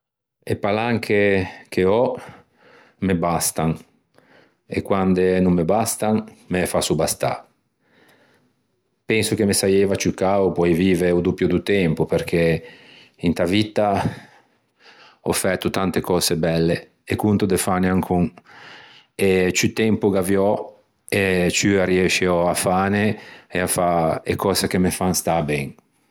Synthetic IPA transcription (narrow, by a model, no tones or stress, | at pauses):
epalaŋkʰek̟ʰeɔ | mebast̪aŋ | ḛkwand̪enumːebast̪aŋmefasubast̪a̰ | pɛnsuk̟emesajeːvat͡ʃukaːopwɔjviːveeud̪upːjod̪ut̪ɛmpupeɾk̟ʰe | int̪avit̪a | ɔ̰fɛt̪ːut̪ant̪ekɔːsebɛlːeː | kunt̪od̪efaneaŋkʰuŋ | et͡ʃyt̪ɛmpuɡavjɔ | et͡ʃyaɾiɛʃeɔafaːneeafaḛkʰɔːsekemefaŋst̪abɛŋ